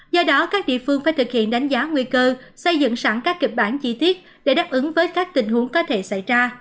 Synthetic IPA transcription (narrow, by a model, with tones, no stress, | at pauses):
zɔ˧ɗɔ˨˦kaː˦˥k̚ɗḭ˧˨əfɨ˧əŋfaː˧˩jt̪ʰɨ˨˩k̚hḭ˧˨ənɗa˨˦jŋ̟zaː˨˦ŋwi˧kəː˧ | sə˧jzɨ̰˧˨ŋsa˧˩ŋkaː˦˥kːi˨˩k̚ɓaː˧˩nt͡ɕi˧t̪i˦˥ət̚ | ɗe˧˩ɗaː˦˥p̚ʔɨ˨˦ŋvəː˨˦jkaː˦˥k̚t̪ï˨˩ŋ̟ɦu˨˦əŋkɔ˨˦t̪ʰe˧˩sa˧˩jzaː˧